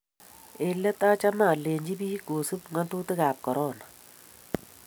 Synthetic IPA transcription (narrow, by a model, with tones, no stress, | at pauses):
e˨lːɛ˦ta˦t͡ʃa˦maː˨leː˨ɲd͡ʒi˦biː˦ɡoː˨su˦pŋa˦ntu˦tɪ˦kaː˨p̚kɔ˨ɾɔː˦˨na˨